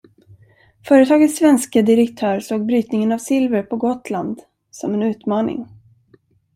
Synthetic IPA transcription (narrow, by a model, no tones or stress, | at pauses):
fœːɾət̪ʰɑːɡət̪sːvɛnskəd̪ɪɾɛkt̪ʰœːɾsoːɡ̚bɾyːt̪nɪŋənavsɪlvəɾpʰɔɡɔt̪land̪ | sɔmɛnʉ̟ːt̪mɑːnɪ̰ŋ